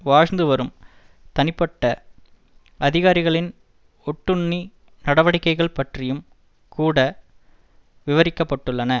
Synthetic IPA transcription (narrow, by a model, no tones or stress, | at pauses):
ʋaːɻnd̪ɯʋɐɾɯm | t̪ɐnɪpːɐʈːɐ | ʔɐðɪɣaːɾɪɣɐɭɪn | ɔʈːɯɳːi | nɐɽɐʋɐɽɪkːɐɪɣɐɭpɐʈrɪjɯm | kʰuːɽɐ | ʋɪʋɐɾɪkːɐpːɐʈːɯɭːɐnɐ